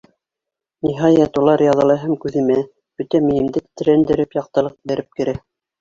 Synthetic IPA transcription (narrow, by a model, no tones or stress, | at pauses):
niɦɑjɑt̪ulˠɑɾjɑðɤ̆lˠɤɦæmkʉðɘ̆mæ | b̥ɵt̪æmɘ̆jɘ̆md̪ɘt̪ɾænd̪ɘ̆ɾɘpjɑq̚t̪ɤ̆lˠɤq̚bæ̆ɾɘp̚kɘ̆ɾæ